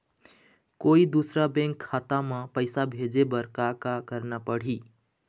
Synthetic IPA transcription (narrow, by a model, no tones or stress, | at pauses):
koid̪usɾabẽŋkʰːat̪amãpəjsabʱed͡ʒebəɾkakakəɾnapəɽ̤i